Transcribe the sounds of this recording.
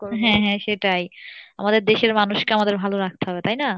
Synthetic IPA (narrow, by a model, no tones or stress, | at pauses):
ɦɛ̃ɦɛ̃ʃeʈaja̰mad̪eɾd̪eʃeɾmanuʃkeamad̪eɾbʱaloɾak̚ʰt̪eɦɔbet̪ajna